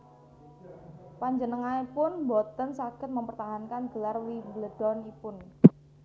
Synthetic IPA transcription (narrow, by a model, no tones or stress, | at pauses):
paɲd͡ʒənəŋaipʊnbɔt̪ənsaɡ̥ə̤t̪̚məmpərt̪aɦankanɡəlarwibləd̥ɔnipʊn